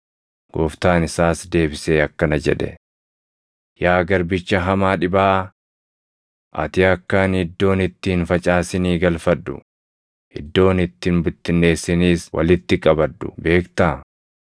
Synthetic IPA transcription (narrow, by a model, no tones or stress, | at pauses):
ɡ̥o̰ːft̪aːnɪsaːsd̪e̞ːbɪse̞ːɐkːɐnɐd͡ʒɛ̰ᶑɛ̰ | jaːɡɐɾbɪt͡ʃːɐɦɐmaːᶑɪbaː | ʔɐ̰t̪ɪɐkːɐnhɪd̪ːo̞ːnɪt̪ːiːnfɐt͡ʃʼaːsɪniːɡɐlfɐd̪ːʊ̰ | hɪd̪ːo̞ːnɪt̪ːinbʊt̪ːɪnːe̞ːsːɪniːswɐ̰lɪt̪ːɪkʼɐbɐd̪ːʊ̰be̞ːkt̪aː